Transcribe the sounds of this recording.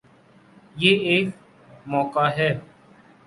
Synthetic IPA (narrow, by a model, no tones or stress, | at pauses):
jeːeːk̚ | mɔːkaːɦɛː